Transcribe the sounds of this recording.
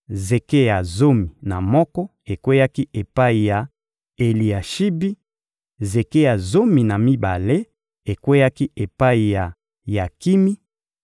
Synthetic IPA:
ze˨ke˦ja˨zo˦mi˨na˨mɔ˦kɔ˦ | e˨kwe˦ja˦ki˦ʔe˨pa˦i˨ja˨ | e˨li˨a˨ʃi˦bi˦ | ze˨ke˦ja˨zo˦mi˨na˨mi˦ba˨le˦ | e˨kwe˦ja˦ki˦e˨pa˦i˨ja˨ | ja˨ki˦mi˦

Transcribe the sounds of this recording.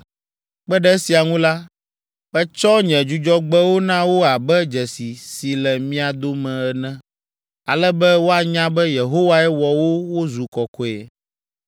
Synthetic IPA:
k͡pɛ˦ɖɛ˦si˨a˨ŋũ˦la˦ | ɸɛ˦t͡ʃɔ˦ɲɛ̃˨d͡ʒu˦d͡ʒɔ˦ɡ͡bɛ˦wo˦nã˦wo˦a˨bɛ˦d͡ʒɛ˨si˨si˨lɛ˨mĩ˦a˨d̪o˦mɛ̃˨ɛ˨nɛ̃˦ | a˨lɛ˦bɛ˦wo˦a˨ɲã˦bɛ˦je˨ɦo˦wa˦ɛ˦wɔ˨wo˦wo˦zu˨kɔ˨kɔ˦ɛ˨

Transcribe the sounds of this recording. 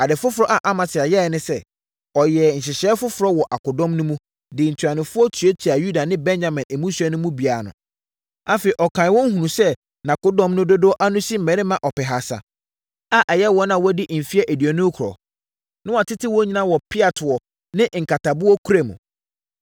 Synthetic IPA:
a˨dɪ˨fʊ˦fʊ˨ɾɔ˦ʔa˨ʔa˦mã˨sɪ˨a˨jɛ˦˨nɪ̃˦sɛ˦ | ɔ˨jɛ˨n̩˨ɕ̬ɪ˨ɕɛː˦fʊ˦fʊ˨ɾɔ˦wɔ˨ʔa˨kʊ˨dɔ̃˦mnʊ̃˦mũ˦ | dɪ˨n̩˨tʰa˨nɪ̃˨fʊ˦ɔ˦tʰɥe˦tʰi˨a˨ju˦da˨nɪ̃˦bɛ̃˦n˦d͡ʑa˨mɪ̃˨nɛ˨mũ˦su˦ɛ˦nʊ̃˦mũ˦bi˨a˨a˨nʊ̰̃˨ | a˦fe˨i˨ʔɔ˨kʰã˨ɪ˨wɔ̃˦ŋ̩˦hũ˨nũ˨sɛ˦ | nã˨kʊ˦dɔ̃˦mnʊ̃˦dʊ˦dʊ˦ɔ˦ʔa˦nʊ̃˦si˦m̩˨mɛ̃˨ɾɪ̃˦mã˨ʔɔ˨pɛ˨ɦa˨sa̰˨ | a˦ʔɛ˨jɛ˦wɔ˦nã˨wɔ˦dɪ˦˨m̩˨fi˦ɛ˦ʔe˨di˨ɔ˨nʊ̃˦kʰɾɔ̰˨ | nɪ̃˦wa˨tʰɪ˦tʰɪ˦wɔ˦ɲi˦nã˦wɔ˨pʰɪ˦a˨tʰɔ˨ | nɪ̃˦ʔŋ̩˨ka˨tʰa˨bʊ˦ɔ˦kʰu˦ɾe˨mṵ̃˨

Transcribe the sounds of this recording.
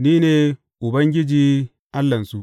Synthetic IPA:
niː˦neː˨ | ʔʊ˨bɐ˦ŋɡʲɪ˦d͡ʒiː˦ | ʔa˦lːɐ˨nsu˦ʔ

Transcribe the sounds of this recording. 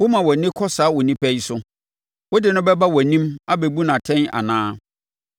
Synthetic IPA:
wʊ˦mã˨wɔ˨nɪ̃˦kʰɔ˦saː˨˦wʊ˨nĩ˦pʰɛ˦ji˦sʊ˦ | wʊ˦dɪ˨nʊ̃˦bɛ˦ba˦wɔ˨nĩ˦ma˦bɛ˨bu˦nã˨tʰɛ̃˦na̰˨nãː˦

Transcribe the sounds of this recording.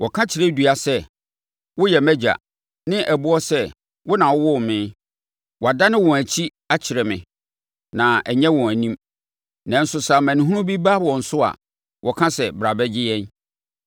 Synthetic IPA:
wʔɔ˨kʰã˦t͡ɕʰɪ˨ɾɛ˦dɥa˨sɛ˦ | wʊ˦jɛ˨mæ˦d͡ʑa̰˨ | nɪ̃˦ʔæ˨bʊ˦ɔ˦sɛ˦ | wʊ˦nã˨wʊ˦wɔ˦˨mɪ̃˦ | wɔ˨a˨da˦nɪ̃˦wɔ̃˨æ˨t͡ɕʰi˦ | a˦t͡ɕʰɪ˨ɾɛ˨mɪ̰̃˨ | nã˨ɛ˨ɲɛ̃˦wɔ̃˨æ˨nĩ˦m | nã˨n̩˦sʊ˨sa˨mæ̃˨nũ˨ɦũ˦ɾʊ̃˦bi˦ba˦wɔ̃˨n̩˨sʊ˦a̰˨ | wʔɔ˨kʰã˦sɛ˨bɾa˨bɛ˦d͡ʑɪ˦jɛ̃˦n

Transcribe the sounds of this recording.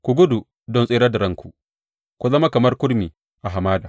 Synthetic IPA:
kʷu˨ɡʊ˦du˨ | dɔ˦nsʼeː˦ɾɐ˦dɐ˨ɾɐ˦ŋkʷu˨ | ku˨zɐ˦ma˦kɐ˨mɐ˦rkʷʊ˦ɽmiː˨ | ʔa˨ɦa˨maː˦daː˨

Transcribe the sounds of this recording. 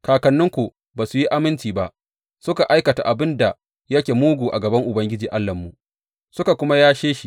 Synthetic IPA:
kaː˨kɐ˨nːʊ˦ŋkʷu˨ | baː˨su˨ji˦ʔa˦mɪ˦nt͡ʃiː˨ba˦ʔ | sʊ˦ka˨ʔa˦jkɐ˨ta̰˨ʔa˨bɪ˦nda˨ | jɐ˦kʲe˨muː˦ɡuː˨ʔa˨ɡɐ˨bɐ˦ŋʔʊ˨bɐ˦ŋɡʲɪ˦d͡ʒiː˨ʔa˦lːɐ˨mːu˨ʔ | sʊ˦ka˨kʷʊ˦ma˦jaː˦ʃeː˦ʃi˦

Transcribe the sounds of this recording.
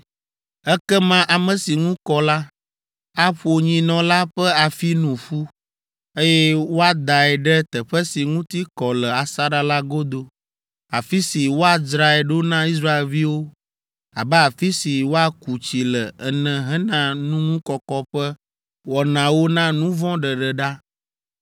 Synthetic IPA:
ɛ˦kɛ˦mã˦ʔa˨mɛ̃˨si˨ŋũ˦kɔ˨la˦ | a˦ɸo˨ɲĩ˨nɔ̃˨la˦ɸɛ˦a˨fi˦nũ˨ɸu˦ | e˦jɛ˦wo˦a˦d̪a˨ɛ˨ɖɛ˦t̪ɛ˨ɸɛ˦si˨ŋũ˦t̪i˦kɔ˨lɛ˨a˨sa˦ɖa˦la˦ɡo˦d̪o˦ | a˨fi˦si˨wo˦a˨d͡ʒɾa˨ɛ˨ɖo˦nã˦i˦s̬ɾa˦e˨lvi˦wo˦ | a˨bɛ˦a˨fi˦si˨wo˦a˦ku˨t͡ɕi˨lɛ˨ɛ˨nɛ̃˨ɦɛ˦nã˨nũ˦ŋũ˦kɔ˨kɔ˦ɸɛ˦ | wɔ˨nã˨wo˦nã˦nũ˦vɔ̃˦ɖɛ˨ɖɛ˨ɖa˦

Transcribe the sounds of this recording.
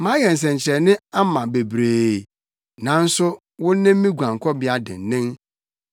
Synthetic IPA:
mã˦jɛ˨n̩˨s̬ɛ̃˨ɲ˨t͡ɕʰɛ˨nɪ̃˦a˦mã˨be˨bɾeː˨ | nã˨˦n̩˦sʊ˦ | wʊ̃˦nɪ̃˦m˦mĩ˦ɡʷã˨ŋ˨kʰɔ˦bɪ˨˦a˨dɪ̰˨n˨nɪ̃˦m

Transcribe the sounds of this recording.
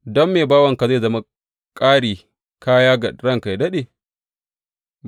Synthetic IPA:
dɔ˦mːeː˨baː˦wɐ˨ŋka˨za˦˨zɐ˦ma˨ | kʼaː˦ɽiː˨ | kaː˦jaː˦ɡa˨ɽɐ˦˨ŋka˨jdɐ˦ɗeː˨

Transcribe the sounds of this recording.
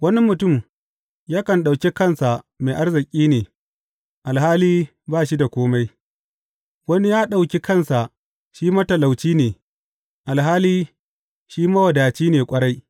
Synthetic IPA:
wɐ˦ni˦mʊ˨tʊ˦˨m | jaː˦kɐ˨nɗa˨wkʲi˦kɐ˦˨nsa˨ma˨ʔa˦rzɪ˨kʲʼiː˦neː˨ | ʔa˨lhaː˦liː˦ | baː˦˨ʃ̬i˦da˨kʷoː˦ma˦j | wɐ˦ni˦jaː˦ɗa˨wkʲi˦kɐ˦˨nsa˨ʔ | ʃiː˦mɐ˦tɐ˨la˨wt͡ʃiː˦neː˨ | ʔa˨lɦaː˦liː˦ | ʃiː˦mɐ˦wɐ˨daː˨t͡ʃiː˦neː˨kʷʼɐ˦ɽa˦j

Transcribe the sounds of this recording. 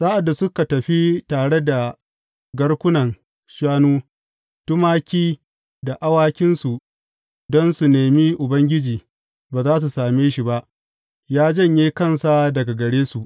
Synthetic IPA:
saː˦ʔa˨dːa˨sʊ˦ka˨tɐ˨ɸi˦taː˨ɽe˦da˨ | ɡɐ˦ɽkʷʊ˦nɐ˨ŋ | ʃaː˦nuː˦ | tʊ˦maː˦kʲiː˦ | da˨ʔa˦waː˦kʲɪ˦nsu˨ | dɔ˦nsu˨neː˨mi˦ʔʊ˨bɐ˦ŋɡʲɪ˦d͡ʒiː˨ | baː˨zaː˦s̬u˨saː˨meː˦ʃi˨ba˦ʔ | jaː˦d͡ʒɐ˦˨ɲjiː˦kɐ˦˨nsa˦dɐ˨ɡa˨ɡɐ˨ɽeː˦su˨ʔ

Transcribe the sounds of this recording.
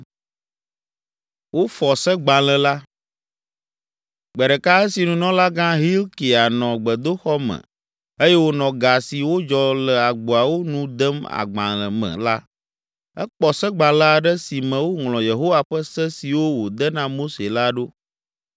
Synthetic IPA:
wo˦fɔ˨sə˦ɡ͡bã˨lə̃˨la˦ | ɡ͡bɛ˨ɖɛ˨ka˦ə˦si˨nũ˨nɔ̃˦la˦ɡã˦ɦi˦lki˨a˨nɔ̃˨ɡ͡bə˨d̪o˦xɔ˦mə̰̃˨ | e˦jɛ˦wo˦nɔ̃˨ɡa˨si˨wo˦d͡ʒɔ˨lə˨a˨ɡ͡bo˨a˨wo˦nũ˦d̪ə˦ma̰˨ɡ͡bã˨lə̃˨mɛ̰̃˨la˦ | ɛ̰˦k͡pɔ˨sɛ˦ɡ͡bã˨lə˦a˨ɖɛ˦si˨mɛ̃˨wo˦ŋlɔ̃˨je˨ɦo˦wa˨ɸə˦sɛ˦si˨wo˦wo˨d̪ə˦nã˦mo˦se˨la˦ɖo˦

